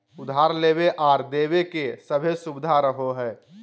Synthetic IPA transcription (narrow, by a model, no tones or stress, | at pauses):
ʊd̪ʱɦaːɾleːbeʔaːɾd̪eːbekesəbʱesʊbɪd̪ʱaɾəɦoɦɛː